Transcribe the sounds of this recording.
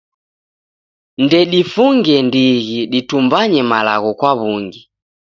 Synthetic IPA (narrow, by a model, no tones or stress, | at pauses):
ndɛɗifuŋɡɛndiɣiɗitumbaɲɛmalaɣɔkwaβuŋɡi